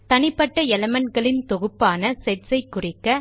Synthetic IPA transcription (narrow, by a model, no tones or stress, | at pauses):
t̪ɐnɪpːɐʈːɐɛlɐmɐnɡɐɭɪnt̪ɔɣɯpːaːnɐsɛʈsɐɪkːʊrɪkːɐ